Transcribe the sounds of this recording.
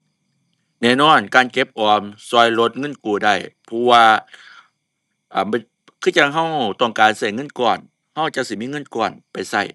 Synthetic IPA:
nɛː˧˨nɔː˧˥˩nkaː˨nke˧˦p̚ʔɔː˨˩msɔː˧˩˨jlo˧˦t̪̚ŋɤ˧˥˨nkuː˨˩da˧˩jpʰɔ˧˥waː˧ | ʔa˨˧˩m˧ | kʰɯː˧˥˨t͡ɕa˧˩k̚ɦa˧˩˨wt̪ɔ˧˩ŋkaː˨nsa˧˩jŋɤ˧˥˨nkɔː˧˨˩n | ha˧˥˨wt͡ɕa˧ʔsi˧˦miː˧˥˨ŋɤ˧˥˨nkɔː˧˩npa˨jsa˧˩j

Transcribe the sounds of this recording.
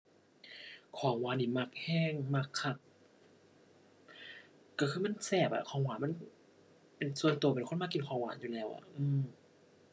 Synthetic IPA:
kʰɔː˨˦ŋwaː˧˦nːiː˧˩ma˧˩k̚hɛː˧˥˩ŋma˧˩kʰːa˧˩t̪̚ | kːa˧˩kʰɯː˧ma˥˨nsɛː˧˩p̚ʔa̰˨˧˩kʰɔː˧˩˦ŋwaː˨˦nma˧˥˨n | pe˨nsu˧ənt̪u˧pe˨nkʰo˧˥˨maː˧ki˨nkʰɔː˧˩˦ŋwa̰ː˨˩˦njuː˧˨lɛː˧˩˨wʔa̰˨˩ʔɯː˧m

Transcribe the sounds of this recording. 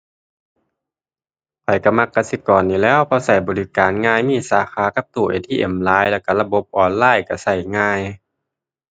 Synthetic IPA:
kʰɔ˨˩jka˧˩ma˧˩kːa˧si˧˦kɔː˨nːiː˧˩lɛː˧˥˨wpʰɔː˧sa˧˩jbɔː˨li˧˩kaː˨nŋaː˧˨jmiː˧˥˨saː˨˧˦xʰaː˧˦ka˧˦p̚t̪uː˧˩ʔḛ˨˩t̪ʰiː˧ʔe˨˧˩mlaː˨˧˥jlɛː˧˩wka˧˩la˧bo˧˥p̚ʔɔː˨˧nlaː˧˥˨jka˧˩sa˧˩jŋaː˧˨j

